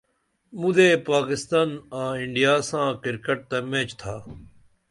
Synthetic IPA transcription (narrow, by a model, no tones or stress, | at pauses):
mũd̪eːpaːkɪst̪aːnãːɪɳɖijaːsãːkɪɾkəʈ̚t̪əmẽːt͡ʃt̪ʰaː